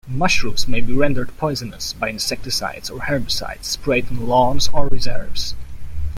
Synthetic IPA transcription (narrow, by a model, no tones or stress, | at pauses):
mʌʃɹusmeɪbiɹɛ̃ndəɹd̚pʰɔɪzɨnəsbaɪɨ̃nsɛk̚tɨsa̰ɪdsəɹhɛɹməsa̰ɪdspʰɹeɪdɪ̃nlɔ̃nzə˞ɹɪzɛɹvz̥